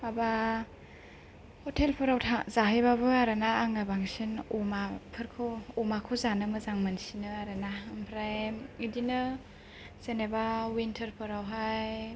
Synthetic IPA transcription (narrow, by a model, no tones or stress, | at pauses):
aba | hɔtʰelpʰɯɾawtʰazaɦajbabɯaɾanaːŋabaŋsinumapʰɯɾkʰoumakʰɔzanɯmɯzaŋmɯnsinɯaɾanaɯmpʰɾajmidinɯ | z̥enebawintʰəɾpʰɯɾawɦaj